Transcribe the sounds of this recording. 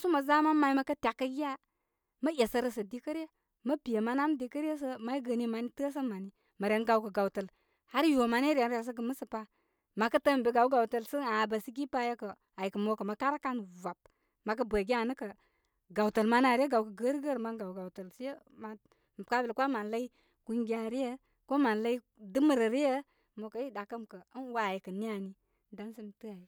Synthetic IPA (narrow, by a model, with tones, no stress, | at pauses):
su˦mə˨za˦ma˦ma˨i˦ma˦kə˦ta˨kːə˦ɡi˦a˦ | mə˦je˨sə˨ɾə˦sə˨di˦kə˦ɾe˦ | mə˦bi˨je˨ma˦na˦mdi˦kə˦ɾe˦s̬ə˦ma˦i˦ɡə˨ni˦ma˨ni˦tə˦s̬ə˦ma˨ni˦ | mə˨ɾe˨˦nɡa˨wkə˨ɡa˨wu˨tə˨l | ha˦ɾjo˨ma˨n˦i˦ɾe˨n˦e˨s̬ə˦ɡə˨mə˦sə˨pa˦ | ma˨kə˦tə˦m̩˨be˨˦ɡa˨wɡa˨wtə˨lsə˦na˨ba˨si˦ɡi˦pa˦je˦kə˨ | a˨ji˨kə˨mo˦kə˨ma˨ka˦ɾa˦ka˦nva˨p̚ | ma˨k̬ə˦bə˨ɡi˦a˦˨nə˦kə˨ | ɡa˨wtə˨lma˦na˨ɾi˦ə˦ɡa˨wkə˨ɡə˦ɾɡə˦ɾma˦nɡa˨wɡa˨u˨tə˨ls | ma˨ | m˨ka˦bə˨lkʷa˦ma˨nla˦i˦ | ku˦ŋɡi˦a˨ɾi˦jə˦ | ko˦ma˨nla˦i˦ | dɨ˦mə˨ɾə˨ɾi˦jə˦ | mo˨kə˨˦i˦da˨kə˦mkə˨˦n˦wa˨˦˨ji˨kə˨ni˦a˨ni˦ | da˦nsi˦m˨tɨ˦a˨ji˨